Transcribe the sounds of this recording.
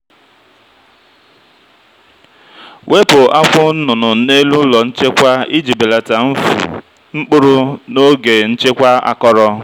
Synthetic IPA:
wʔe˦pʊ˨a˦kʷʊ˦n̩˦nʊ˨nʊ˨ne˦lu˦lɔ˨n̩˦t͡ʃe˦kʷa˦i˦d͡ʒi˨be˨la˨ta˨˦ | ŋ͡m̩˦k͡pʊ˦ɾʊ˦no˦ɡe˨n̩˦t͡ʃe˦kʷa˦a̰˨kɔ˦ɾɔ˦

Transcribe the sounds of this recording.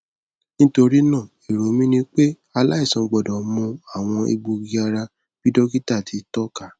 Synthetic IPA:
nĩ˦to˧ɾi˦nãː˦˨ | i˨ɾo˨˦mĩ˦nĩ˧˦k͡pe˦ | a˧la˦i˦˨sɔ̃˨ɡ͡bɔ˨dɔ̃˨˦mũ˧a˦˨w̃ɔ̃˧ḛ˧ɡ͡bo˧ɡi˧a˧ɾa˧ | b̥i˦dɔ˦ki˦ta˦˨tʰi˨˦tɔ˦ka˦˨

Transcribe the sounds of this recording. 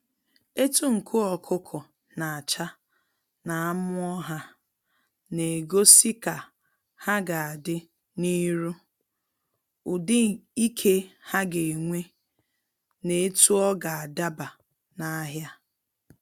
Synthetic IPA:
e˦tu˦ŋ̩˨kʰʊ˦ɔ˨kʰʊ˦kʰʊ˨ | na˨a˨t͡ʃa˦ | na˨a˦mʊ˦ɔ˦ɦa˦ | ne˨ɡo˦si˦ka˨ | ha˦ɡa˨a˨dɪ˦ | ni˦ɾu˦ | ʊ˨dɪ˦i˦kʰe˦ha˦ɡe˨ŋʷe˦ | ne˨e˦tu˦ɔ˦ɡa˨a˨da˦ba˨ | na˦ɦja˦

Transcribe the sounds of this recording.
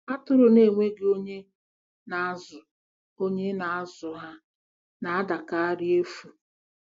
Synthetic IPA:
a˦tʊ˦ɾʊ˨ne˨ŋʷe˦ɡo˦ɲe˦ | na˨˦zʊ˨ | o˦ɲe˦na˨a˦zʊ˨ɦa˦ | na˨a˦da˨ka˦a˦ɾɪ˦e˦fu˨

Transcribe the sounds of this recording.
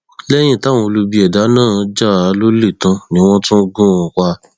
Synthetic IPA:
lɛ˦j̃ĩ˦˨ta˨˦˨w̃ɔ̃˧lu˧bi˧˦ɛ˨da˨˦nãː˦˨˧d͡ʒa˦˨a˨˧˦lo˦le˦˨tã˧˦nĩ˧˦w̃ɔ̃˦tũ˦ɡũ˦ɔ̃˧ka˧

